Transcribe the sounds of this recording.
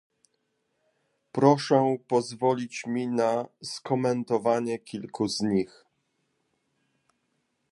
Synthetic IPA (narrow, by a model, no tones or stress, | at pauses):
pɾɔʂɛpɔzvɔlʲit͡ɕmʲinaskɔmɛnt̪ɔvaɲɛkʲilkʰuzɲix